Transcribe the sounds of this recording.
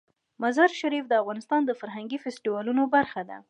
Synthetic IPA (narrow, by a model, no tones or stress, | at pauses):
mazɑɾʃaɾifd̪əafɣɑnɪst̪ɑnd̪əfaɾɦaŋɡifesʈiwɑlunobaɾxad̪a̰